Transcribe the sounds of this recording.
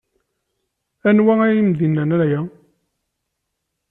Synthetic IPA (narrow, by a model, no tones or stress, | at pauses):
ænwææjimðinːænæɾjæ